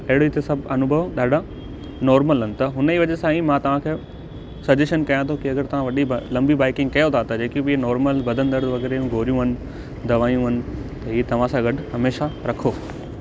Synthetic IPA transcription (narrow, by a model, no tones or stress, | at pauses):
ɐɦɪɽot̪esɐbʱɐnʊbʱəʋɗaːɖʱa | nɔːɾməlɦʊnɪ̆t̪ɐɦʊniːʋɐʄesãːĩmãt̪ɐʋ̤ãkʰeː | sɐd͡ʑeːʃənkɐjãt̪ʰõkiɐɡəɾt̪ɐʋ̤ãʋɐɗiblɐ̃mbibaːɪkɪ̃ŋɡ̚kɐjot̪ʰat̪ɐd͡ʑeːkibinɔːɾməlbɐd̪ʱə̃nd̪əɾʋɐɡɛːɾeũɡʱoːɾijũɦɐnɪ̆ | d̪ɐʋaːijũɦɐnɪ̆t̪ɐɦiːt̪ɐʋ̤ãsãɡɐʈʊɦɐmeːʃaɾɐkʰoː